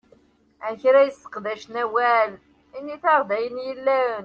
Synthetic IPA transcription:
ænçɾæjəsːə̥qðæʃnæwæl | inːiθɑʁˤd̪æjənjəlːæɾən

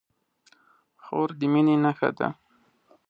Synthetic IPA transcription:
xoɾd̪ɪminenaxa̰d̪a̰

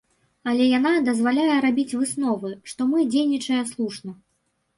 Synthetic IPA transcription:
ɐlʲɛjanad̪ɐzvalʲajɛɾabʲit͡sʲvɨsnɔvɨʂt̪ɔmɨd͡zʲejnʲit͡ʂɐjɐslˠuʂnɐ

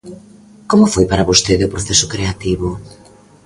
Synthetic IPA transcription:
komʊfojpaɾaβost̪eðopɾoθesʊkɾeat̪iβo

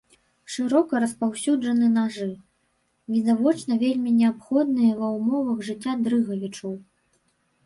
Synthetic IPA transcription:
ʂɨɾɔkɐɾɐspawsʲud͡ʐɐnɨnaʐɨ | vʲid̪avɔt͡ʂnɐvʲelʲmʲinʲɛapxɔd̪nɨjɐvɐwmɔvɐɣʐɨt͡sʲːad̪ɾɨɣɐvʲit͡ʂɐw

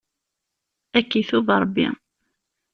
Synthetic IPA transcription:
ækːiθuvɾˤəbːḭ

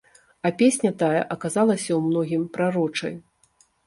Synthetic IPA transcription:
ɐpʲesʲnʲɐt̪ajɐ̰ʔɐkazalˠɐsʲɐwmnɔɣʲimpɾaɾɔt͡ʂɐ̰j

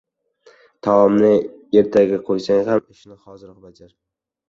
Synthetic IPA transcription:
t̪ʰaɒmnɪeɾt̪ʰaɡʲaqʰojsaŋhamɪʃnɪχɒzɪɾɒqbad͡ʒaɾ

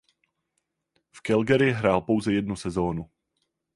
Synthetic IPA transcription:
fkɛlɡɛɾɪjɪɦɾaːlpo̞wzɛjɛdnusɛzo̞ːnu

